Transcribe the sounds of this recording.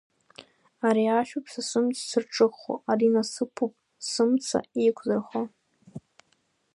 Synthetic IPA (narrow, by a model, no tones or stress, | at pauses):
aɾiaʃᶣupʰsasɨmt͡sʰsɨrʈ͡ʂʼɨχo̰aɾinasɨpʰupʼ | sɨmt͡sʰa̰ikʷʰzarχo